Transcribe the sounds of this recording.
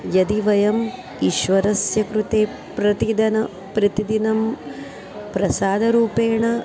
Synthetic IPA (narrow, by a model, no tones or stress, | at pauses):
jɐd̪iʋɐjɐm | iʃʋɐɾɐsjɐkɾut̪eː | pɾɐt̪id̪ʱɐnɐ | pɾɐt̪id̪inɐm | pɾɐsaːd̪ʱɐɾuːpeːɳɐ